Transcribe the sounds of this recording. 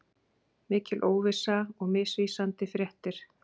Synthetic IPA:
mɪːcɪlʔoːwvɪsaɔɣmɪːsviːsant̪ɪfɾjɛht̪ɪɾ̥

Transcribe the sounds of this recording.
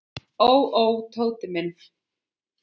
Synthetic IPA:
owowt̪ʰoːwt̪ɪmɪn

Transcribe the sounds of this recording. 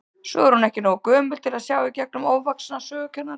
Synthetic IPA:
sɔ̰ɛɾhunɛhcɪnoakœːmʏlt̪ʰɪlaðsjaːwicɛk̚nʏmoːwvaksnasœːɣʏcʰɛnːa

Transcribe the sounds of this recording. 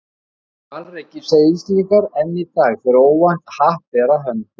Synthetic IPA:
ecɪseːjsliŋkaɾɛnːɪt̪aːɣfɪɾɾoːwvan̥t̪haht̪vɛːɾaɦœnːʏ

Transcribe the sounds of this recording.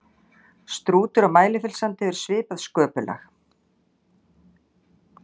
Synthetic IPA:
st̪ɾuːt̪ʏɾamaːjlɪfɪlsant̪ɪɛvɪɾ̥svɪːpaðskœːpʏlʔɛ̰x

